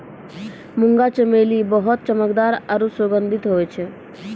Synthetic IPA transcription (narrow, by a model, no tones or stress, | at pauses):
muŋɡat͡ʃəmelibɔɦɔt̪̚t͡ʃəməkd̪aɾaɾusoɡənd̪ʱit̪ɦojt͡ʃʰɛ